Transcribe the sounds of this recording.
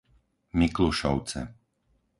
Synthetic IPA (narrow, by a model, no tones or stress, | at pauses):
mikluʃɔ̰ʊt͡sɛ̰